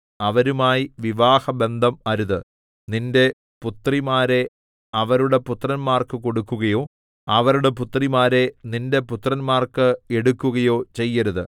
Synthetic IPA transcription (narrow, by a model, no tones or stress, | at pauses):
ɐʋɐɾumaːjiʋiʋaːhɐbe̞nd̪ʱɐmɐɾuðɨ | ninde̞ | put̪ːrimaːɾe̞ | ɐʋɐɾuɽe̞put̪ːrɐnmaːrkɨko̞ɽukːuɣɐjo̞ː | ɐʋɐɾuɽe̞p̬ut̪ːrimaːɾe̞ninde̞put̪ːrɐnmaːrkɨe̞ɽukːuɣɐjo̞ːt͡ɕe̞jːɐɾuðɨ